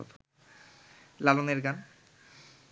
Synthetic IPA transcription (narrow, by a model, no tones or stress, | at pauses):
t̪ʰ | laloneɾɡan